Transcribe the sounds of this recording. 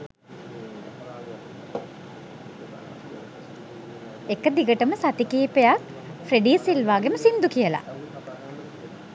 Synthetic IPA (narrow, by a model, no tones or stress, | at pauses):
ekəd̪iɡəʈəməsat̪ikiːpejak | fɾeɖiːsilʋaːɡeməsind̪ukijəla̰